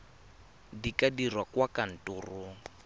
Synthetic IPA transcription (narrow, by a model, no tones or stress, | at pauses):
dikadirwakwakan̩tʊːrʊ